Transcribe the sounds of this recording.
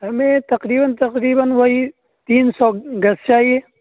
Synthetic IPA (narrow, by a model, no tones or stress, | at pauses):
ɦɐmẽt̪ɐqɾiːbənt̪ɐqɾiːbənʋɐɦi | t̪iːnsɔɡɐst͡ʃaːɦieː